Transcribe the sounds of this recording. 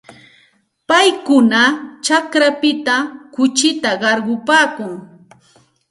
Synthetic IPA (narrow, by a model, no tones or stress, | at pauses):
pajkʊnat͡ʃakɾapɪt̪akʊt͡ʃɪt̪aɢɑɾɢʊpaːkʊŋ